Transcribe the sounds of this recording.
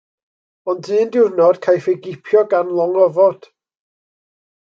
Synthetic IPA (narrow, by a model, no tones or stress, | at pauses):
ɔndɨːndɪwnɔd̥kʰajfɛɡɪpʰjɔɡanlˠɔŋɔvɔd̥